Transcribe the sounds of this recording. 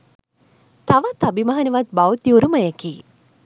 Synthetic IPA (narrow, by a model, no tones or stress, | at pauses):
t̪ɐʋət̪ɐbimɐɦɐneʋɐt̪̚bawt̪ːiuɾuməjəkiː